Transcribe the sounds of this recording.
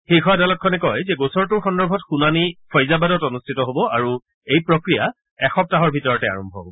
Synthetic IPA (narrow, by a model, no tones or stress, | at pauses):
xekʰɔadalɔt̚kʰɔnɛkɔjzɛɡosɔɹtʊɹxɔndɔɹbʱɔtxunanipʰɔjzabadɔtɔnustʰitɔɦobɔʔaɹu | ejpɹokɹija | ɛxɔp̚taɦɔɹbʱitɔɹɔtɛa̰ɹɔmbʱɔbɔbɔ